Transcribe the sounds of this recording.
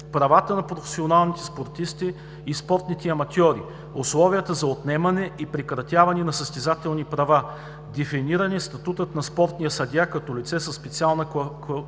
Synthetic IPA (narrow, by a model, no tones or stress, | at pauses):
pɾɐvat̪ənɐpɾofɛ̥sionalˠnit̪ɛ̥spoɾt̪ist̪iː | spɔɾt̪nit̪ɛɐmɐt̪ʲɔɾḭ | ʊslˠɔvijət̪əzɐot̪nɛmɐnɛipɾɛkɾɐt̪ʲjavɐnɛnɐsəst̪ɛzat̪ɛlˠnipɾɐva | d̪ɛfiniɾɐnɛst̪ɐt̪ut̪ət̪nɐspɔɾt̪nijəsɐd̪ʲjakɐt̪ɔlit̪sɛsɐsːpɛt̪sialˠnɐ